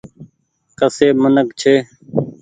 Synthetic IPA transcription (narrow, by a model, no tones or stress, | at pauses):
kəseːmənəkt͡ʃʰeː